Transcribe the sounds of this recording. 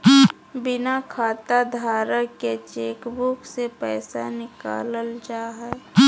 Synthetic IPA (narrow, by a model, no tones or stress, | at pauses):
bɪnakʰaːt̪ad̪ʱaːɾəket͡ʃeːkbʊksepɛːsa̰nɪka̰ːləld͡ʒaːɦɛ